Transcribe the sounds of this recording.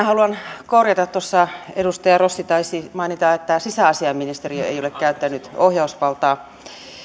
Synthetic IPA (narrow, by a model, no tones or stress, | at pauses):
æhɑluɑnkorjɑt̪ɑt̪t̪ːosːɑedust̪ɑjɑrosːit̪ɑisimɑinit̪ɑet̪ːæsisæɑsiɑmːinist̪eriø̰ḛiolekkæyt̪ːænːyt̪ohjɑusʋɑlt̪ɑː